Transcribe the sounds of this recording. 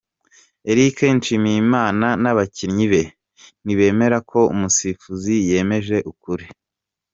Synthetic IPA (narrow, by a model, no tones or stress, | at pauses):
e̞ɾikenʃimijimaːnanaβaciɾɲiβe̞ | niβe̞ːme̞ɾakʰo̞ṵmusifuzije̞ːme̞ʒe̞ʔukuɾi